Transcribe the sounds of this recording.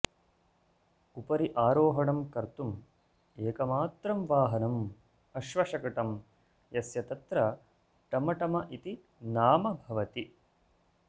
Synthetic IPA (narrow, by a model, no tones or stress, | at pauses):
upɐɾiʔaːɾoːɦɐɳɐmkɐɾt̪um | eːkɐmaːt̪ɾɐmʋaːɦɐnɐm | ɐʃʋɐʃɐkɐʈɐm | jɐsjɐt̪ɐt̪ɾɐ | ʈɐmɐʈɐmɐʔit̪i | naːmɐbʱɐʋɐt̪i